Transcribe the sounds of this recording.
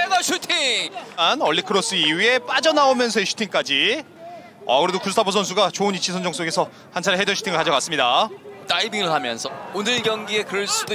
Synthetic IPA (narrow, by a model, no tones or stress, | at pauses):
edʌɕʰutʰiŋanʌɭːikʰɯɾʌs͈ɯiue̞p͈ad͡ʑʌnaomjʌns̬ʰʌeɕʰu̥tʰiŋk͈ad͡ʑi | ʌ̰kɯɾe̞dokustʰabos̬ʰʌnsʰuɡat͡ɕoɯnit͡ɕʰisʰʌnd͡ʑʌŋs͈oɡe̞sʰʌ | hant͡ɕʰaɾɦedʌɕʰu̥tʰiŋɯɭkad͡ʑʌk͈as͈ɯmɲidataibiŋɯɭhamjʌ̰nsʰʌonɯiɡjʌŋɡie̞kɯɯɭs͈ud